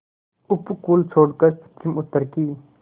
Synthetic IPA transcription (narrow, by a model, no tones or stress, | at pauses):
upkuːlt͡sʰoːɖkɐɾpt͡ʃimut̪əɾkiː